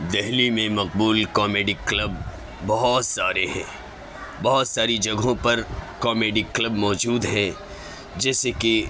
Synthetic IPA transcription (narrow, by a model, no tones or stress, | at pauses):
d̪ɛɦlimẽmɐq̚buːlkɔːmeːɖiklɐbː | ɐɦɔt̪saːɾeɦɛ̰̃ː | bɐɦɔt̪saːɾid͡ʒɐɡʱõpɐɾkɔːmeːɖiklɐbmɔːd͡ʒuːd̪ɦɛ̃ | d͡ʒɛːseki